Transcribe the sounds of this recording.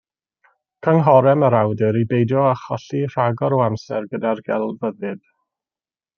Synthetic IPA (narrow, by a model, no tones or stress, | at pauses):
kʰəŋɦɔɾɛməɾawdɪɾibejdjɔaχɔɬir̥aɡɔɾoamsɛ̰rɡədarɡɛlˠvəðɨd̥